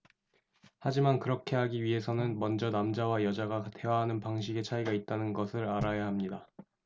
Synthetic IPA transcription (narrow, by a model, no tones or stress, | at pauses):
had͡ʑimankɯɾʌkʰe̞ɦaɡiɥiɦe̞sʰʌnɯnmʌnd͡ʑʌnamd͡ʑawajʌd͡ʑaɡate̞waɦanɯnpaŋɕ̬ʰiɡe̞t͡ɕʰaiɡait̚t͈anɯnɡʌsʰɯɾaɾajaɦamɲida